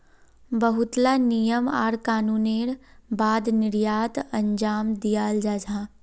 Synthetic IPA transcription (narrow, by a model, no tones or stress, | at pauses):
bəɦʊt̪lanijəma̰ːɾkaːnuːneːɾbaːd̪nɪɾjaːt̪ɐ̃ɲd͡ʒaːmd̪ijaːld͡ʒaːd͡ʒãː